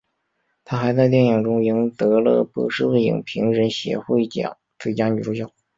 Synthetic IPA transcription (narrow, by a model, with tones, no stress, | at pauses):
t̪ʰa˥xa˧˥ɪt͡sɪt̪jɛ˥˩nji˨˩ŋʈ͡ʂʊ˥ŋi˧˥ŋt̪ɤ˧˥lɤ˥˧pɤ˧˥ʂɻ̩˥˧we˥˩ɪḭ˨˩ŋpʰi˧˥ŋɻə˧˥nɕjɛ̰˧˥xwe˥˩ɪt͡ɕjɑ̰˨˩ŋt͡sɹ̩˥˩t͡ɕja˥ny˨˩ʈ͡ʂʰʊ˥ŋɕjɑ˥˩ʊ